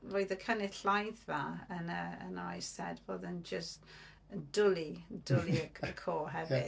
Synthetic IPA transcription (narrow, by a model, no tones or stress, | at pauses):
voːɨðəkʰənɪtlajθvaənəə̰najsɛdvoːðənd͡ʒəst | ədʊlˠid̥ʊliəəkʰoːɦɛvɪ̰